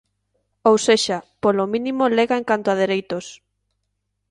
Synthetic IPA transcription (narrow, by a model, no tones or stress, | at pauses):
owseʃapolomĩnimoleɣaeŋkant̪ʊað̞eɾejt̪os